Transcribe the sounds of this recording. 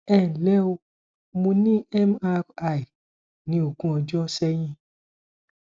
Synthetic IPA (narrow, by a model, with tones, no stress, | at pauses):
ɛ˦˨lɛ˦o˧ | mũ˧nĩ˦ɛ˦ma˧ka˨i˨ | nĩ˧˦o˨ɡũ˦ɔ˧d͡ʒɔ˦sɛ˦j̃ĩ˦